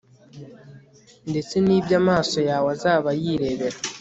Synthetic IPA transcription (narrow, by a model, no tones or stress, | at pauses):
nde̞t͡se̞niːβjamaːso̞jaːwazaːβajiːɾe̞βe̞ɾa